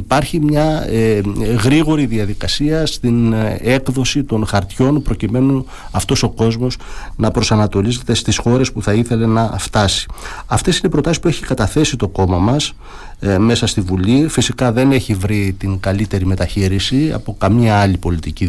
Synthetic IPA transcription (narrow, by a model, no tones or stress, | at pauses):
ipɐɾçimɲɐ | ɣɾiɣo̞ɾiðiɐðikɐsiɐst̪ine̞kðo̞sit̪o̞nxɐɾt̪ço̞npɾo̞cime̞nu | ɐft̪o̞so̞ko̞zmo̞snɐpɾo̞sɐnɐt̪o̞lize̞t̪e̞st̪isxo̞ɾe̞spuθɐiθe̞le̞nɐft̪ɐsi̥ɐft̪e̞sinepɾo̞t̪ɐsispue̞çikɐt̪ɐθe̞sit̪o̞ko̞mɐmɐs | me̞sɐst̪ivulifisikɐðe̞ne̞çivɾit̪iŋɡɐlit̪e̞ɾime̞t̪ɐçiɾisiɐ̰po̞kɐmɐɐlipo̞lit̪ici